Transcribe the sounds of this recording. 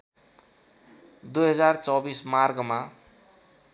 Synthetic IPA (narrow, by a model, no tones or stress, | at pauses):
d̪ujɦʌd͡zart͡sʌbismarɡma